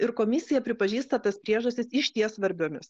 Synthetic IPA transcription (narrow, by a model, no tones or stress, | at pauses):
ɪɾkoːmʲɪsʲɪjɛpʲɾʲɪpɐʒʲiːst̪ɐt̪ɐspʲɾʲiɛʒɐsʲt̪ʲɪsɪʃt̪ʲiɛsʋɐɾʲbʲoːmʲɪs